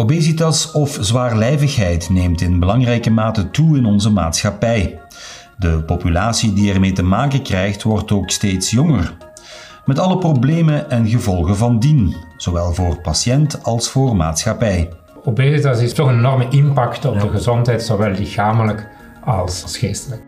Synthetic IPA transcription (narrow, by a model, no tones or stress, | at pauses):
obeːzitɑsɔfzʋaːrlɛjvəxɦɛjtneːmtɪnbəlɑŋrɛjkəmaːtətuɪnɔnzəma̰ːtsxɑpɛj | dəpopylaːsidiɛrmeːtəmaːkəkrɛjxtʋɔrtoːksteːtsjɔŋər | mɛtɑləprobleːməʔɛnɣəvɔlˠɣəvɑndinz̥oʋɛlˠvoːrpɑsjɛntɑlˠsfoːrma̰ːtsxɑpɛj | obezɪtɑsɪstɔxənenɔrməʔɪnpɑktɔb̚dəɣəzɔntɦɛjtsoʋɛlˠːɪxaːmələk | ɑlˠssxeːstələk